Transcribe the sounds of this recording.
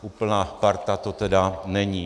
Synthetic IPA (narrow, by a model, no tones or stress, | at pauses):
ʔuːpl̩naːpaɾt̪at̪ot̪ɛdanɛɲiː